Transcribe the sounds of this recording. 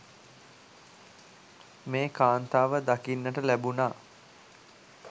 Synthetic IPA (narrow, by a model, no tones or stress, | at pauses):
meːkaːnt̪aːʋəd̪akinːəʈəlæbunaː